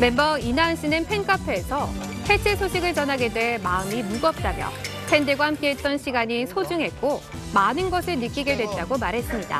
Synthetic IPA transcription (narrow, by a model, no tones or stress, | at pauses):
me̞mbʌinanɕʰinɯnpʰe̞nk͈apʰeːsʰʌ | pʰe̞t͡ɕʰesʰoɕʰiɡɯɭt͡ɕʌnɦaɡe̞dwe̞maɯmimuɡʌp̚t͈amjʌ̰pʰe̞ndeɡwahamk͈e̞ɦe̞t̚t͈ʌnɕʰiɡaɲisʰod͡ʑuŋɦe̞t̚k͈omanɯnɡʌsʰɯɭnɯk͈iɡe̞dwe̞t̚t͈aɡomaɾɦe̞s͈ɯmɲida̰